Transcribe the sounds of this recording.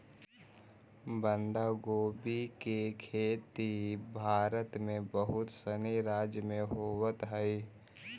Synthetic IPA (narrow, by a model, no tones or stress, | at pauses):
bənd̪aːɡoːbikekʰeːt̪ibʱaːɾət̪mẽbəɦʊt̪səniɾaːd͡ʒjəmẽɦoːwət̪ɦɛi